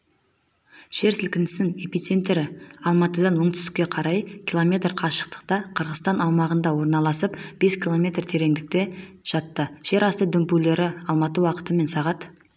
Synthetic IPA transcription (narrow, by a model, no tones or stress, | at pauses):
ʃe̞ɾsɪlkʲɪnd̪ɪsɪŋe̞pit̪se̞nt̪ːe̞ɾɪɑlˠmɑt̪əd̪ɑnwo̞ɴt̪ʰʏ̥st̪ɪ̥kʲːe̞qʰɑɾɑjkʲʰilˠo̞mʲe̞t̪rqʰɑʃə̥q̚t̪ə̥q̚t̪ɑqʰəɾʁəzt̪ɑnɑwmɑʁənd̪ɑwo̞ɾnɑlˠɑsəpb̥e̞skʲʰilˠo̞mʲe̞t̪rt̪ʰe̞ɾe̞ŋd̪ɪk̚t̪e̞ | ʒ̥ɑt̪ːəʃe̞ɾɑst̪əd̪ʏmpule̞ɾɪɑlˠmɑt̪əwɑqə̥t̪əme̞nsɑʁɑt̪